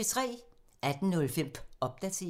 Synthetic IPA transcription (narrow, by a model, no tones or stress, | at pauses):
t͡sʰʁɛ̰ː | æd̥n̩nɔ̽lfem̰b̥ɒ̽b̥̚d̥æt͡sʰe̝̰